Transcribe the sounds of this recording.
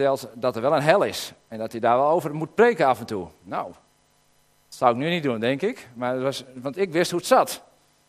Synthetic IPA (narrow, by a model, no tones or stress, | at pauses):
ɛlˠtdɔtərʋɛlˠənɦɛlˠɪsɛndɔtjədaːrʋɔlˠowvərmut̚preːkəafɛntunow | tsawɪknynit̚dundɪŋkɪkmarətʋɔsʋɑntɪkʋɪsthuətsat